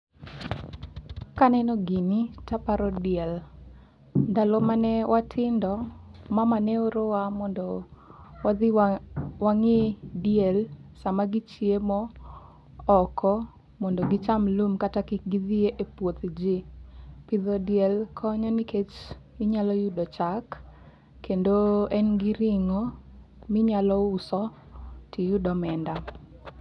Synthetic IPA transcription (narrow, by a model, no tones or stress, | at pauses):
kanɛnɔɡinitapaɾɔdɪɛl | dalɔmanɛwʔatʰɪndɔmamanɛoɾowamɔndɔ | wa | waŋedjɛlsamaɡɪt͡ʃiemɔː | kʰɔ | mɔndoɡit͡ʃamlumkatakɪɡiðieʔepwot̪d͡ʒipɪðɔdijɛlkʰɔɲɔniket͡ʃ | ɪɲalɔjudɔt͡ʃakː | endoɛnɡiɾiŋo | mɪɲalɔusɔ | tʰijudɔmɛnda